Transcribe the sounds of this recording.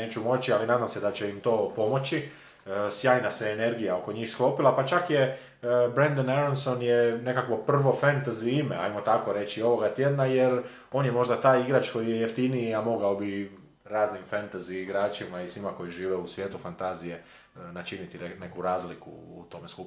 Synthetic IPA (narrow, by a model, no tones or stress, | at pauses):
eːt͡ʃumo̞t͡ʃialinaːd̪amse̞d̪at͡ɕe̞imt̪o̞ːpo̞mo̞t͡ʃi | sjaːjnaseːne̞ɾɡijao̞ko̞ɲixsklo̞pilapat͡ʃakje | bɾend̪anaɾonso̞njene̞kakʋo̞pr̩ʋo̞fent̪aziimea̰jmo̞t̪ako̞ɾe̞t͡ʃio̞ʋo̞ɡat̪jed̪najeɾ | o̞ːnjemo̞ʒd̪at̪aːjiɡɾat͡ʃko̞jijejeft̪iniiamo̞ɡaobi | ɾaːznimfant̪aziːɡɾaːt͡ʃimaisʋimako̞jiʒiːʋeusʋjeːt̪ufant̪azije̞ | nat͡ʃinit̪iene̞kuɾaːzlikṵːt̪o̞meskup